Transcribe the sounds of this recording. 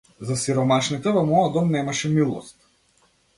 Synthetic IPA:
zasiɾɔmaʃnit̪ɛvɔmɔjɔd̪ɔmnɛmaʃɛmilˠɔ̰st̪

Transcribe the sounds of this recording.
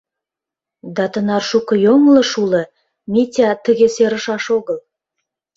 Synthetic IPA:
d̪ɑt̪ə̆nɑrʃukɤ̆joŋlə̆ʃulə̆ | mʲet̪ʲɑt̪ə̆ɣʲeseɾə̆ʃɑʃoɣə̆lˠ

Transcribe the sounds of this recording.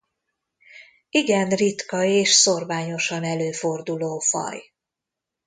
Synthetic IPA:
iɡɛnrit̪kɒeːʃso̞rvaːɲo̞ʃɒnɛløːfo̞rd̪uloːfɒ̰j

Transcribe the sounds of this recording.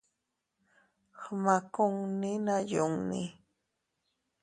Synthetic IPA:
xmakʊŋnɪnajʊŋnɪ̰

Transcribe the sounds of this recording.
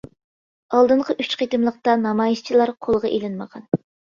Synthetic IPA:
ɑlˠd̪ɨɴqʰəʔyt͡ʃqʰet̪ɨmlˠəq̚t̪ɑnɑmɑːjiʃt͡ʃʰilˠɑɾqʰolˠʁɑ̰ʔelɪnməʁʰɑn

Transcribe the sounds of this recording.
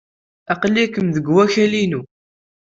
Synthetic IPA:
æqlːikəmðəɡwæçælinu

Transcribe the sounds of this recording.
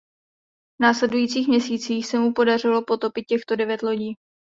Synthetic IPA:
vnaːslɛdujiːt͡siːxmɲɛsiːt͡siːxsɛmupo̞dar̝ɪlo̞po̞t̪o̞pɪt̪̚cɛxt̪o̞dɛvjɛt̪lo̞ɟiː

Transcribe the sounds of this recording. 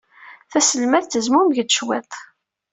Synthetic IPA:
θæsəlmæθt̪əzmʊmʝəd̪ʃwɛt̪ˤ

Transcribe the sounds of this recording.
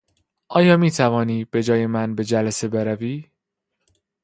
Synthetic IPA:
ʔɒːjɒːmiːt̪ʰævɒːniːb̥e̞d͡ʒɒːje̞mænbe̞d͡ʒælæse̞be̞ɾæviː

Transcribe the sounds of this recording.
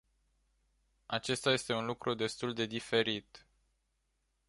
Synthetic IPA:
at͡ʃe̞st̪aje̞st̪e̞unlukɾʔud̪e̞st̪uld̪e̞d̪ife̞ɾit̪

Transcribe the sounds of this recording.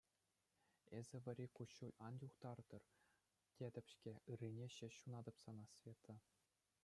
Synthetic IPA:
ezʲɘ̆ʋʲɘ̆ɾʲikuɕːulʲɑnjuχt̪ɑrd̪̥ɤ̆r | tʲed̪ʲɘ̆pʲɕkʲeɯrʲːinʲeɕɘ̆ɕːunɑd̪ɤ̆psɑnɑsʲvʲet̪ɤ̆

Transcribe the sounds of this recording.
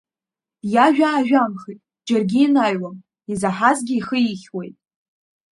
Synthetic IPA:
jaʒᶣaːʒᶣamχitʼ | d͡ʒarɡʲiːnajwam | izaħazɡʲɪiχəiχʲwe̞jtʼ

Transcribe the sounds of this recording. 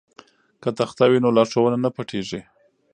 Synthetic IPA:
kət̪axt̪awinolɑʂawənanapaʈʰeʐi

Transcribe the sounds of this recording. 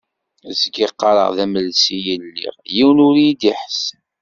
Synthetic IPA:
zɡiqːɑɾˤə̰ʁðæməlsijənlːḭʁjiwənʊɾjid̪iħs

